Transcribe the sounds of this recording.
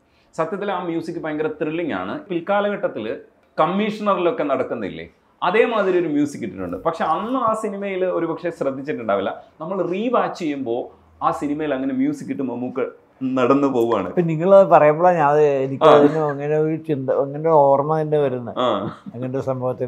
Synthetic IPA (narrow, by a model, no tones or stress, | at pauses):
sɐt̪jɐt̪̬ːilaːmjuːsikʲːɨpɐːjɐŋɡɐɾɐt̪ːriɭːiŋa̰ːɳɨpilkaːlɐɣɐʈːɐt̪ːil | kɐmːiʂɐnɐrilo̞kːe̞nɐɽɐkːunːɐðḭlːḛ | ɐðe̞ːmaːd̪ɾijoɾumjuːsikʲːiʈːinṵɳɖɨpɐkʂeɐnːɨaːsinimɐjilo̞ɾubɐkʂe̞srɐd̪ʱːit͡ɕːiʈːuɳɖaːʋilːɐ̰nɐmːɐɭriːbaːt͡ɕːejːumbo̞ː | aːsinimɐjilɐŋːɐnemjuːsikːiʈːɨmɐmːuːkːɨ | nɐɽɐnːɨpoɣuʋa̰ːɳɨ̰piniŋːɐɭpɐrɐjɐmboɭaːɲaːnɐðɨenikʲɐɐðinoɐŋːɐne̞oɾut͡ɕind̪ɐɐŋːɐndeoːrmɐt̪ɐnːe̞ʋɐɾunːɐaːɐŋːɐnɽesɐmbʱɐʋɐt̪ːi